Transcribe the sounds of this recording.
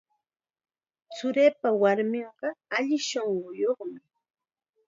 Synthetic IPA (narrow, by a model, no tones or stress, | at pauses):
t͡sʊɾeːpawaɾmɪɴɢɑaʎɪʃoɴɢʊjoχmɪ